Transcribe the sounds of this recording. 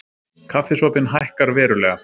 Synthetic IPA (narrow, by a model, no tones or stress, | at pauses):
kʰafɪsɔːpɪnɦajhkaɾvɛːɾʏlɛːɣa